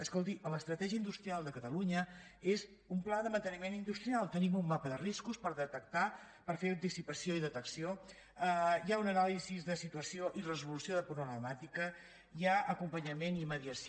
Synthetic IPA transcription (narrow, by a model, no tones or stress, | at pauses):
əskɔlˠt̪̬iʔələst̪ɾət̪ɛʒiəind̪ust̪ɾialˠd̪əkət̪əluɲəez | umplaðəmənt̪ənimenind̪ust̪ɾialˠt̪ənimumːapəðəriskuspəɾðət̪ək̚t̪a | pəɾfeɾənt̪isipəsioiðət̪əksio | əjaunənalizizðəsit̪uəsioʔirəzulusioðəpɾuβləmat̪ikə | jaəkumpəɲəmeniməðiəs